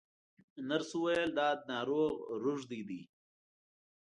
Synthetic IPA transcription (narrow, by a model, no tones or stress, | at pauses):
naɾsuwajəld̪ɑːd̪nɑɾoɣɾʊʐd̪id̪i